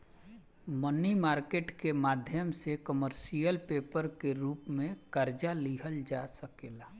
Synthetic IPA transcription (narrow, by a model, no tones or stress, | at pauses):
mənimaːɾkeːʈkemaːd̪ʱjəmsekəməɾsijəlpeːpəɾkeɾuːpmẽkəɾd͡ʒaliːɦəld͡ʒasəkeːlaː